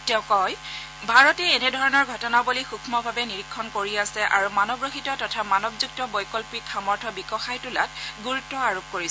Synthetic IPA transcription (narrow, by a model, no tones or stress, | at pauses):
tɛʊ̃kɔj | bʱaɹɔtɛːnɛdʱɔɹɔnɔɹɡʱɔtɔnabolixukʰmɔbʱabɛniɹikʰːɔnkoɹiasɛʔa̰ɹumanɔbɹoxitɔtɔtʰamanɔbzuk̚tɔbɔjkɔlpikʰamɔɹtʰɔbikɔxajtʊla̰tɡuɹutːɔaɹop̚koɹis